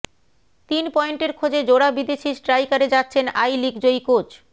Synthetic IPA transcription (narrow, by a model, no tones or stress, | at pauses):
t̪inpɔeɳʈeɾkʰod͡ʑed͡ʑoɽabid̪eʃisʈɾajkaɾed͡ʑat̪ːɕʰena̰jlikd͡ʑojkot͡ɕ